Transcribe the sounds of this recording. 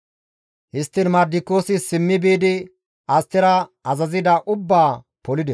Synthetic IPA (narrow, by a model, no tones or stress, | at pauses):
hɪst̪ːɪnmɐd̪ːɪkːo̞ːsɪsɪmːɪbiːd̪ɪ | ɐst̪ːɪɾɐɐzɐzɪd̪ɐʔʊbːaː | pɔlɪd̪ɛs